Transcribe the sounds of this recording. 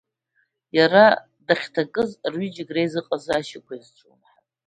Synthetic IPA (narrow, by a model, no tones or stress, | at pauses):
jaɾa | daχʲtʰakʼɨzrɥid͡ʒɪɡrejzɨqʼazɨaʃɪkʷʰaizʈ͡ʂʷʼumħa